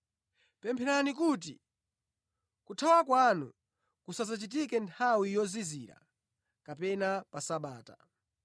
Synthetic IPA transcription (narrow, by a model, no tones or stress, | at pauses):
pɛmpʰɛɾanikut̬ḭ | kutʰawakwanṵ | kusazat͡ʃit̬ikɛntʰawijɔziziɾa̰ | kapɛnapasaɓaːta̰